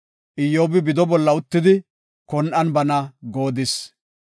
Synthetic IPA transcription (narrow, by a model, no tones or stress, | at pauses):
ʔɪjːoːbɪbɪd̪ɔbɔlːɐʊt̪ːɪd̪ɪ | kɔnʔɐnbɐnɐɡo̞ːd̪ɪs